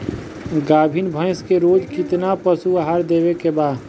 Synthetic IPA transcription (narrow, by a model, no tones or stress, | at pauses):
ɡaːbʱinbʱə̃ɪ̃skeɾoːd͡ʒkɪt̪napəsuaɦaːɾd̪eːbekebaːd̪